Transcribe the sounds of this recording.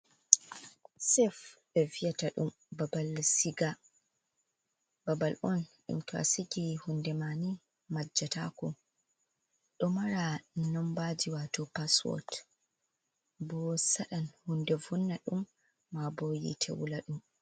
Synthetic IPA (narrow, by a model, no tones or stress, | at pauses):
sɛfɓɛvijataɗum | babalsiɡa | babalʔɔnɗṵmtɔa̰siɡihundɛmani | mad͡ʒːata̰kɔ | ɗɔmaɾanɔmbad͡ʒiwatɔpaswɔ̰t | bɔsaɗanhundɛvunːaɗumː | abɔjḭtʰɛ̰wṵlaɗum